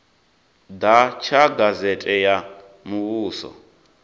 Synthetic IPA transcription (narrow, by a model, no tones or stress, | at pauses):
d̪at͡ʃʰaɡazɛtʼɛja | muβuːsɔ̰